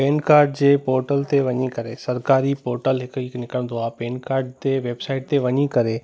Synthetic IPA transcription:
peːnkaːɾɖd͡ʑeːpoːɾʈəlt̪eʋɐɲikɐɾesɐɾkaːɾipoːɾʈəlɦɪkiknɪkəɽ̃nd̪oaːpeːnkaːɾɖ̚t̪eʋeːbsaːɪʈ̚t̪eʋɐɲikɐɾe

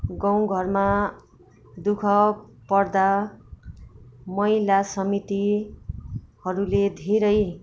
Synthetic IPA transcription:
ɡʌ̃w̃ɡʱʌrma | d̪ukʰʌpʌrd̪a | mʌjlasʌmit̪i | hʌɾuled̪ʱeɾʌj

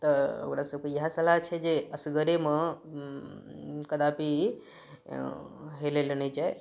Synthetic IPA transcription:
t̪ɔo̰kɾasəb̚kejəɦasəlaɦt͡ʃʰɛd͡ʒeəsɡəɾeme | kəd̪api | ɦelelened͡ʒae

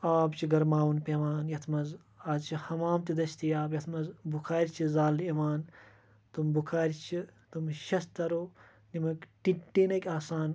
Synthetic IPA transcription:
aːbt͡ʃʰiɡɐɾmaːwunpeːʋaːnjɐt̪ʰmɐz | aːd̪t͡ʃʰihɐmaːmt̪id̪ɐʃt̪ijaːbjɐt̪ʰmɐzbukʰaːɾʲt͡ʃʰizaːleʋaːn | t̪umbukʰaːɾʲt͡ʃʰit̪umʃɐst̪ɐɾoː | nimɐkʈiʈːiːnɐkʲaːsaːn

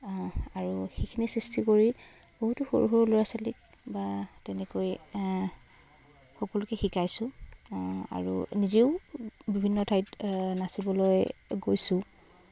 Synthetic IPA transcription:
aɹuxikʰinisɹistikoɹi | boɦutʊxo̰ɹṵɦojɔloɹasalik̚ | batɛnɛkoj | xɔkɔlʊkɛxikajsʊ̃ | a̰ɹṵniziʊbibʱinːɔtʰajtnasibɔlojɡojsʊ̃

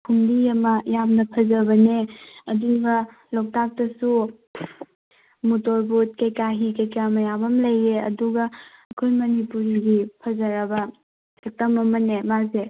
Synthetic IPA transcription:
kʰumdiɐmɐjamnɐpʰɐzɐbɐneɐduŋbɐ | lok̚tak̚tɐsu | mutoɾbut̚kɐjkaɦikɐjkamɐjamɐmlɐjeɐ̰duɡɐːkʰojmɐnipuɾiɡipʰɐzɐɾɐbɐ | ek̚tɐmɐmɐnemaze

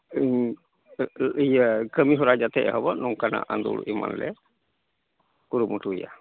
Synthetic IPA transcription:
ɲ | ijəkəmiɦɔɾad͡ʒat̪ɛʔaɦɔbɔnɔŋkana̰ʔand̪ṵluʔima̰nlɛ̰ | kuɾumuʈuija

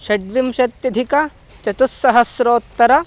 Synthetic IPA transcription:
ʃɐɖʋimʃɐt̪jɐd̪ʱikɐ | t͡ʃɐt̪usːɐɦɐsɾoːt̪ːɐɾɐ

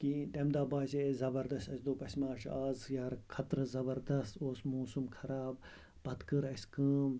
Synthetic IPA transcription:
kit̪ɐmd̪aːbaːsezɐbɐɾd̪ɐst̪ɐsʲd̪oːpɐsʲmãːʃʰaːzjaɾkʰɐt̪ɾzɐbɐɾd̪ɐst̪oːsmoːsumkʰɐɾaːb̚ | bɐt̪kɨɾɐsʲkəːm

